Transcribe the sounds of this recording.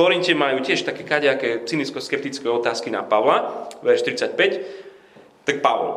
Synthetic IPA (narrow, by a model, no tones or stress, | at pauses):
ɔɾincɛmajuːcɪɛʃt̪akɛːkaɟakɛːt͡siniskɔskɛp̚t̪it͡skɛɔt̪aːskina̰paʋlaʋɛɾʃt̪ɾit͡sac̚pɛc | t̪ak̚paʋɔ̰l